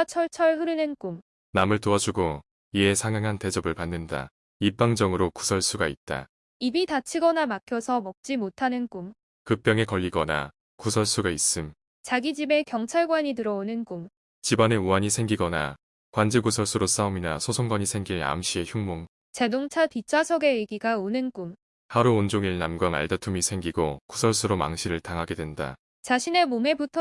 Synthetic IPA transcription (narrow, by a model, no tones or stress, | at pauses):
t͡ɕʰʌɭt͡ɕʰʌɭɸɯɾɯnɯnkum | namɯɭtoad͡ʑuɡo | ie̞sʰaŋaŋɦante̞d͡ʑʌbɯɭpanːɯnda̰ | ip͈aŋd͡ʑʌŋɯɾoku̥sʰʌɭs͈ʰuɡait̚t͈a̰ | ibitat͡ɕʰiɡʌnamakʰjʌsʰʌmʌk̚t͡ɕ͈imotʰanɯnk͈um | kɯp͈jʌŋe̞kʌʎːiɡʌna̰ | kusʰʌɭs͈uɡais͈ɯm | t͡ɕaɡid͡ʑime̞kjʌŋt͡ɕʰaɭɡwaɲitɯɾʌonɯnkum | t͡ɕibane̞uaɲisʰe̞ŋɡiɡʌna̰ | kwand͡ʑiɡusʰʌɭs͈ʰuɾos͈aominasʰosʰoŋɡwaɲisʰe̞ŋɡiɭa̰mɕ͈ieçjuŋmoŋ | t͡ɕe̞doŋt͡ɕʰatit͡ɕʰasʰoɡe̞eɡiɡaonɯnkum | haɾuond͡ʑoŋiɭnamɡwana̰ɭdatʰumisʰe̞ŋɡiɡokusʰʌɭs͈ʰuɾoma̰ŋɕʰiɾɯɭtaŋɦaɡe̞dwe̞nda̰ | t͡ɕaɕʰine̞mome̞butʰ